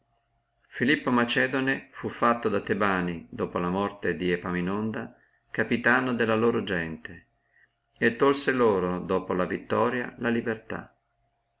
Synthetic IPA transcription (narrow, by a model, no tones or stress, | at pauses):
filipːomat͡ʃɛːd̪onefufːat̪ːod̪at̪ːebaːnid̪oːpolamɔrt̪ed̪iepaminond̪a | kapit̪aːnod̪elːaloːɾod͡ʒɛnt̪e | et̪ːolseloːɾod̪oːpolavit̪ːɔːɾja̰lalibert̪a̰